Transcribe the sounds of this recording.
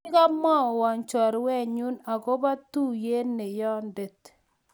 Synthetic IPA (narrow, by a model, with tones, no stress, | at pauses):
ka˦mɔ˦˨wa˨ɲt͡ʃɔ˨ɾwɛ˦˨ɲu˦na˨ko˦ba˦tu˦je˦ne˨jɔ˦nde˨t